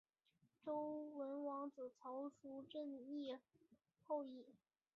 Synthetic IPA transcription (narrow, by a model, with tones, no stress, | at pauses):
ʈ͡ʂo˥ʊwə˧˥nwɑ˧˥ŋt͡sɹ̩˨˩t͡sʰɑ˧˥ʊʂu˧˥ʈ͡ʂə˥˧ŋi˥˧ | xo˥˧ʊi˥˩